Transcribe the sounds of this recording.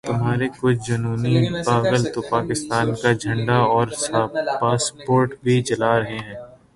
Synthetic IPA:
t̪ʊmɦaːɾekʊt͡ʃʰd͡ʒɐnuːnipaːʋəlt̪opaːkɪst̪aːnkad͡ʒʱɐ̃ɳɖaɔːɾsapaːspoːɾʈbʱid͡ʒɐlaɾɐɦeɦɛ̃ː

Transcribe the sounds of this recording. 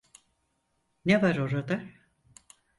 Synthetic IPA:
nevaɾoɾad̪a

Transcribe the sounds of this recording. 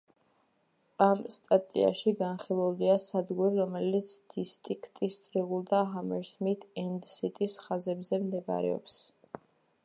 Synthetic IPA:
amst̪ʼat̪ʼḭa̰ʃiɡanχilˠuliasad̪ɡuɾiɾɔmɛlit̪sʰd̪̥ist̪ʼikʰt̪ʼist̪sʼɾiʁulˠd̪aɦamɛɾsmit̪ʰɛnd̪sit̪ʼisχazɛbzɛmd̪ɛba̰ɾɛ̰ɔ̰ps

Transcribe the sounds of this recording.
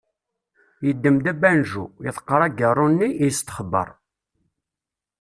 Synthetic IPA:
jəd̪ːəmd̪æbænʒujɪθə̥qːəɾˤæɡərˤːʊnːijəst̪ə̥χəbːə̰ɾˤ

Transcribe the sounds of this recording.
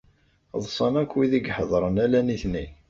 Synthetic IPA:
ðˤsˤɑnækːwiðiɡħəðˤɾˤənælæniθni

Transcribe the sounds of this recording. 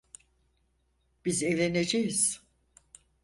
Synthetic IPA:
b̥izevlʲened͡ʒejiz̥

